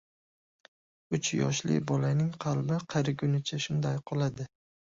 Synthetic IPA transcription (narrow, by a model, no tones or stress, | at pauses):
ʊt͡ʃʰjɒ̰ʃlɪ̰bɒlanɪŋqʰɑlˠbɪqʰɑɾɪɡʲʊnɪt͡ʃʰaʃʊnd̪ajqʰɒlˠad̪ɪ